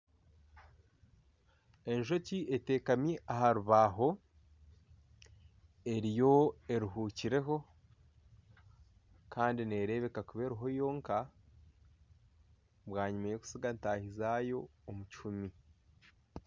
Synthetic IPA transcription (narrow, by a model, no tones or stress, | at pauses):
e̞nʒo̞ciʔe̞te̞ːkamiʔaɦaɾuβaɦo̞ | e̞ɾijo̞e̞ɾuɦuːciɾe̞ɦo̞ | kaːndine̞ːɾe̞βe̞kakuβe̞ːɾuɦo̞jo̞ːŋka | βwaːɲimajo̞ku̥siɡantaːhizajo̞ːmut͡ʃumi